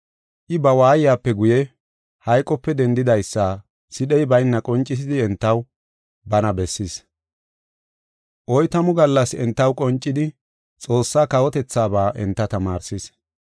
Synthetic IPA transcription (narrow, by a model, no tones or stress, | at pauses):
ʔɪbɐwaːjɪjaːpːɛɡʊjɛ | hɐjkʼɔpːɛd̪ɛnd̪ɪd̪ɐjsːaː | sɪɗɛjbɐjnːɐkʼɔnt͡ʃʼɪs̬ɪd̪ɪɛnt̪ːɐw | bɐnɐbɛsːɪs | ʔɔjt̪ɐmʊɡɐlːɐsɛnt̪ːɐwkʼɔnt͡ʃʼːɪd̪ɪ | t͡sʼo̞ːsːaːkɐwɔt̪ɛt͡sːaːbaːʔɛ̰nt̪ːɐt̪ɐmaːɾsɪs